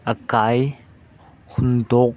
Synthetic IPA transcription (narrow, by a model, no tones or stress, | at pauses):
ʔəkaj | hʊnd̪ɔk̚